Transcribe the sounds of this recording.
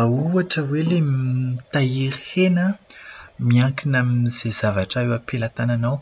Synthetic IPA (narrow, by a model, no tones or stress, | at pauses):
auaʈ͡ʂəwelemt̪aiɾhenə | miaŋkinaminiz̥ez̥avaʈ͡ʂaewapelat̪ananaw